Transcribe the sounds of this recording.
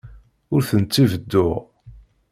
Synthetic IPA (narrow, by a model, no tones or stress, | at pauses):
ʊɾθənt͡sːivəd̪ːʊʁ